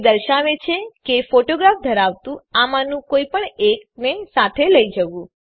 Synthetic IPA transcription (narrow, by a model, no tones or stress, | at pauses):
d̪əɾʃaʋet͡ʃʰekefoʈoɡɾafd̪ʱəɾaʋt̪ũamãnũkoipəɳek̚nesat̪ʰeləid͡ʒəʋũ